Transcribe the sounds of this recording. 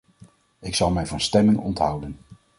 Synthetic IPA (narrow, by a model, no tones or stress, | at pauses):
ɪksɑlˠmɛjvɑnstɛmɪnɔ̰ntɦʌwdən